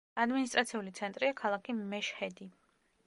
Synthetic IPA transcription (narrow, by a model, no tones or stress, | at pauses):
ad̪minis̬t̪ʼɾat̪sʰiulit̪sʰɛnt̪ʼɾiakʰalˠakʰimɛʃhɛd̪i